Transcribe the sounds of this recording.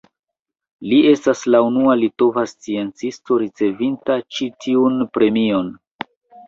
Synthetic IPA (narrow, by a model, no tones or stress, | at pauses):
lie̞staslaunualito̞vast͡sie̞nt͡sisto̞ɾit͡se̞vintat͡ʃitʰiunpɾe̞mio̞n